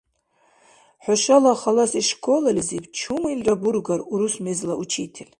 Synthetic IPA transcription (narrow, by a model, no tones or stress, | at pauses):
ħʷaʃalaχalasiʂkʰolalʲzibt͡ʃʰumainrʼaburɡaruɾusmezlaʔut͡ʃʰitʰelʲ